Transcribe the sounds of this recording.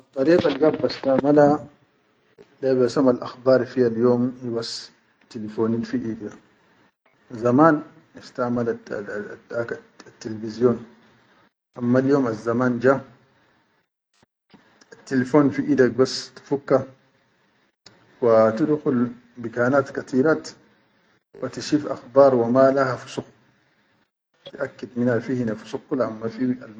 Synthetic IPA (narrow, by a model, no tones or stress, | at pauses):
at̪ʼˤːɑɾiːqalɡabːastamala | ɗabasamalʔa̰xbaːɾfijaljoːmiwas | telifonilfiʔida | zamaːn | istamaladaka | tːelevizijɔn | ʔamːaljoːmazːamaːnd͡ʒa | at̪ːilefoːnfiʔid̪ak̚bast̪i̥fukːa | wat̪idxul | bikaːnaːt̪kat̪iːɾat̪ | wat̪iʃiːfʔa̰xbɑːɾˤwamalahafu̥sux | t̪iʔakːid̪minafihinafu̥sukːulaʔamːafia̰l